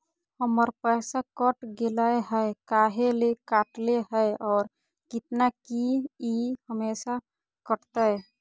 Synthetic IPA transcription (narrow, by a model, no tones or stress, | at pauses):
həməɾpəsakəʈɡelaeɦəekaːɦelekaʈleɦəjɔːɾ | kɪt̪nakiihəmeːsa | kəʈt̪a